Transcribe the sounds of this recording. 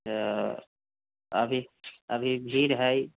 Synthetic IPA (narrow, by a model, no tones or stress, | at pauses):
ə̰bʱiəbʱibʱiɾɦəj